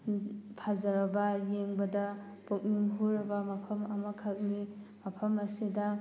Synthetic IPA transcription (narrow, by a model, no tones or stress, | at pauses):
pʰazɐɾɐbɐjeŋbɐda | pok̚niŋɦuɾɐbɐmɐpʰɐmɐmɐkʰak̚nimɐpʰɐmɐsidɐ